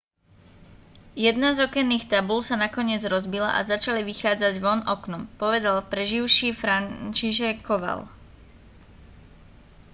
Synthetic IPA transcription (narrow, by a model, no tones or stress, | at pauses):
jɛd̪nazɔkɛnːiːxt̪abulsanakɔɲɪɛd͡zɾɔzbila̰ʔa̰zat͡ʃaliʋixaːd͡zaɟʋɔnɔknupɔʋɛd̪alpɾɛʒiʊʃiːfɾant͡ʃiʃɛkʰːɔʋa̰l